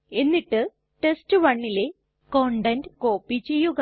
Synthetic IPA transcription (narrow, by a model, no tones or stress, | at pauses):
e̞nːiʈːɨ | ʈestɨʋɐɳːile̞ | koɳɖɐnɖko̞ːpːit͡ɕːe̞jːuɣɐ